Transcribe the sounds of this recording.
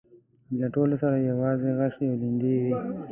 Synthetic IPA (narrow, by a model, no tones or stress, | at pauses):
laʈoːlosaɾajawaːzeɣaʃeolind̪ewi